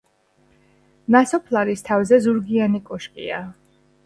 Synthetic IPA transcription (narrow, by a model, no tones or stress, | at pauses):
nasɔpʰlˠaɾist̪ʰavzɛzuɾɡianikʼɔʃkʼḭa